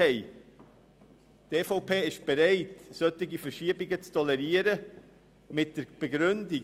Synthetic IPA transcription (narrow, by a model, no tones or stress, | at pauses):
ɛɪ | teːfoʊpʰeːɪʃb̥eɾɛɪtsœtɪɡifəɾʃiːəbiɡət͡stʰɔlɛɾiəɾə | mɪt̚d̥əb̥ɛɡɾʏndi